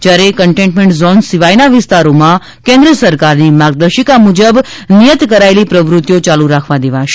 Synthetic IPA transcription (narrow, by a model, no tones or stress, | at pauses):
d͡ʒjaɾekəɳʈẽʈmẽɳʈzonsiʋajnaʋɪst̪aɾomã | kẽnd̪ɾəsəɾkaɾnimaɡ̚d̪əɾʃikamud͡ʒəbnijət̪kəɾaelipɾəʋɾʊt̪jot͡ʃaluɾakʰʋad̪eʋaʃʰ